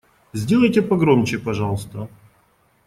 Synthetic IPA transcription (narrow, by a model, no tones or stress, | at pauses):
zʲdʲelˠəjtʲepɐɡɾomʲt͡ɕɪpɐʐɑlˠəst̪ə